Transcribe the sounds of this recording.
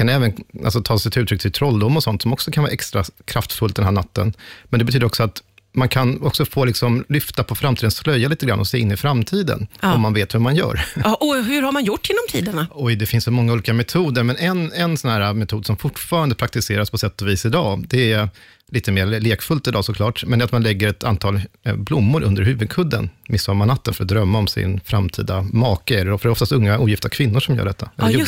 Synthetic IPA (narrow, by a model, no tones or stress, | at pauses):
kʰanɛːvənʔa̰lsɔt̪ʰɑːsɛt̪ɪʉːt̪ɾʏk̚t̪ʰɪlt̪ʰɾɔlːd̪ʊmːɔsɔnt̪sɔmɔksɔkʰanvɑ̰ːʔɛkst̪ɾakʰɾaft̪fɵlt̪d̪ɛnɦæːɳat̪ːə̰nmɛnd̪ɛbɛt̪ʰyːd̪əɾɔksɔat̪ | mankʰanɔksɔfoːlɪksɔmlʏft̪apʰɔfɾamt̪iːd̪ənslœjːaliːt̪əɡɾa̰nʔɔsɛːɪnːɪfɾamt̪ʰiːd̪ə̰nɔmːanveːt̪hɵɾmanjœ̰ːɾʔɔhɵɾhaɾmanjʊʈːɪnːɔmt̪ʰiːd̪əɳaɔjd̪ɛfɪnssɔmɔŋːauːliːkamɛt̪ʰuːd̪əɾmɛnɛnɛnsɔnahæːɾamɛt̪ʰuːd̪sɔmfʊʈːfɑːɾand̪əpɾak̚t̪ɪseːɾaspʰɔsɛt̪ːɔviːsɪd̪ɑːd̪ɛæ | liːt̪əmeːɾleːkfɵlt̪ɪd̪ɑːsɔkʰlɑːʈmɛnd̪ɛat̪manlɛɡːəɾɛt̪ʰant̪ʰɑːlblʊmːʊɾʔɵ̰nd̪əɾɦʉ̟ːvɵd̪̚kʰɵd̪ːə̰nmɪsːɔɾmanat̪ːənfœɾɔt̪̚d̪ɾœmːaɔmsɪ̰nfɾamt̪ʰḭːd̪amɑːkəɛdɛfɾɖɛɔft̪ast̪ɵŋːauːjɪft̪əɾakʰvɪnːʊʂɔmjœ̰ːɖɛt̪ːaɛlː